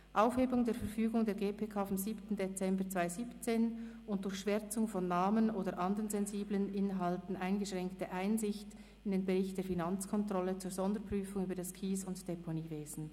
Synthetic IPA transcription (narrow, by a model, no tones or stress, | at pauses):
ʔaʊfheːbʊŋdeːfɛɐɾfyːɡʊŋdeːɡeːpʰeːkʰaːfamziːptn̩det͡sɛmbət͡sv̥aɪziːpt͡seːnʔʊnt̚d̥ʊɾçʃv̥ɛʁt͡sʊŋfɔnːaːmənʔoːdəɾʔɑndəʁənzɛnziːblənʔɪnɦɑltn̩ʔaɪnɡəʃʁ̥ɛŋktəʔaɪnzɪçt | ɪndeːnbeʁɪçt̚d̥eːɐfinɑnt͡skʰɔntʁ̥ɔlət͡suːɾzɔndəpʁ̥yːfʊŋyːbədaskʰiːsʊntd̥ɛpʰoniːveːzn̩